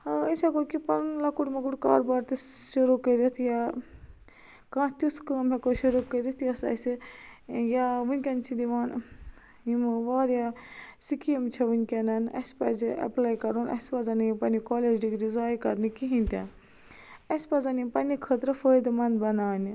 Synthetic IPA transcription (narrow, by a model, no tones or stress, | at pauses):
əsʲɐkokipɐɾnlɐkuʈmɐkuʈka̰ːɾbaːɾt̪isʃuɾukəɾit̪ʰja | kãːt̪ʲut̪ʰkəːmʲɐkoʃuɾukəɾit̪ʰjɐsɐ̰sʲi | jaʋunʲkʲɐnt͡ʃʰid̪iʋaːn | imʋaːɾjasikijɐmt͡ʃʰɐʋunʲkʲɐnɐnɐ̰spɐziɐ̰plaːjkɐɾunɐ̰spɐzɐnjipɐnikɔːleːd͡ʒɖikɾizaːjkɐɾnikiɦĩnt̪ʲa | ɐspɐzɐnimpɐnikʰət̪ɾɐfəːjd̪mɐnd̪bɐnaːni